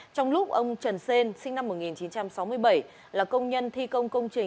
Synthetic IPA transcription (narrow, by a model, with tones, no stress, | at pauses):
t͡ɕɔ˧wŋ͡mlʊ˦˥k͡p̚ʔə˧wŋ͡mt͡ɕə˨˩nse˧nsï˧ŋ̟na˧mːo˨˩t̚ŋi˨˩nt͡ɕi˨˦nt͡ɕa˧msa˨˦wmɨ˧əjɓə˧˩j | laː˨˩kə˧wŋ͡mɲə˧nt̪ʰi˧kə˧wŋ͡mkə˧wŋ͡mt͡ɕï˨˩ŋ